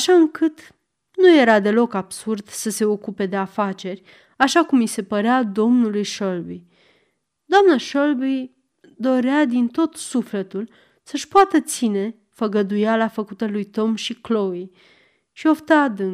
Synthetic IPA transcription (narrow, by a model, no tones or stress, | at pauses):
aʃaɨŋkɨt̪ | nuje̞ɾad̪e̞lo̞kabsurd̪səse̞o̞kupe̞d̪e̞afat͡ʃe̞rʲ | aʃakumise̞pəɾead̪o̞mnulujʃolbi | d̪oamnaʃolbi | d̪o̞ɾead̪int̪o̞t̪sufle̞t̪ul | səʃpoat̪ət̪sine̞ | fəɡəd̪ujalafəkut̪əlujt̪o̞mʃikloi | ʃio̞ft̪ad̪ɨn